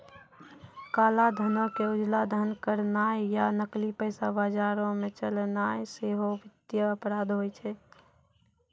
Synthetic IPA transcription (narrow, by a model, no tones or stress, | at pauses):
kaːlad̪ʱənõkeʊd͡ʒlad̪ʱənkəɾnaːejanəklipəɪsabad͡ʒaːɾõmẽt͡ʃəlnaeseɦoʋɪd̪jəəpɾaːd̪ɦojt͡ʃʰɛ